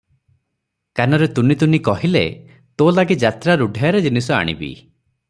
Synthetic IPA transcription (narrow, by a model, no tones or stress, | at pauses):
kanɔɾet̪unit̪unikɔɦilḛ | t̪olaɡid͡ʒat̪ɾaɾuɖʱajaɾed͡ʒinisɔa̰ɽ̃ḭbḭ